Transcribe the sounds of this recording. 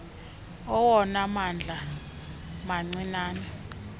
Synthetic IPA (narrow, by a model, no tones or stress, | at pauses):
ɔwɔnamand͡ɮʱa | maŋ͡ǀinaːnɔ